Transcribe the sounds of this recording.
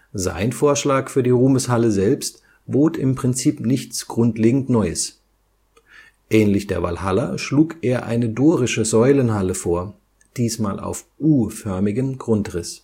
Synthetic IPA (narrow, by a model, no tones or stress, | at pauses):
za̰ɪnfoːɐʃlaːkfyːɐdiːʁuːməshaləzɛlpst | b̥oːtɪmpʁ̥ɪnt͡siːpnɪçt͡sɡ̥ʁʊntleːɡŋ̩tnɔʏəs | ʔɛːnlɪçd̥eːɐva̰lɦalɐʃluːkʔeːɐʔa̰ɪnədoːʁɪʃəzɔʏlənhaləfoːɐ | d̥iːsmaːlʔa̰ʊfʔuːfœɐmɪɡəmɡʁʊntʁɪs